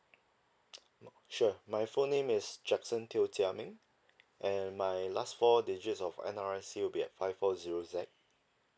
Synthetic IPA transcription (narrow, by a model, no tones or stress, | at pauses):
ʃumajfõnːẽmɪsd͡ʒɛksə̃ntʰiltʰiamɪ̃ŋ | ʔɛ̃nmajlastfɔded͡ʒetsɔfɛ̰̃naɹɛsiwibiɛ̰t̚fajffɔziɹozɛk̚